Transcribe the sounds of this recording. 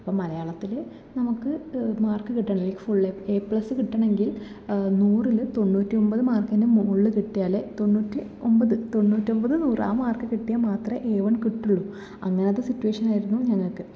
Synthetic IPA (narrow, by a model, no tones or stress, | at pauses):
ɐpːomɐlɐjaːɭɐt̪ːile | nɐmukːɨmaːrkɨkiʈːaːɳɐlːikːifuɭːepeːpːɭɐsːɨkiʈːaːɳe̞ŋɡil | nuːrilɨt̪o̞nːuːtːio̞mbɐðɨmaːrkɐndemuɭːɨkiʈːijaːlet̪o̞nːuːtːi | o̞mbɐðɨt̪o̞nːuːtːio̞mbɐðɨnuːra̰ːmaːrkɨkiʈːijamaːt̪rɐʔeːʋɐɳkiʈːuɭːu | ɐŋːɐneɐðɨsitːuweːʂɐnaːjiɾunːuɲɐŋːɐɭkɨ